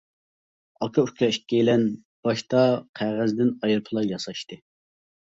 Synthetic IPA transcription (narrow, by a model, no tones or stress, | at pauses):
ɑkʰɑykʲʰɛikʲːejlɛn | b̥ɑʃt̪ɑqʰæʁæzd̪ɪnɑjɾɨpʰɨlˠɑjɑsɑʃt̪ɨ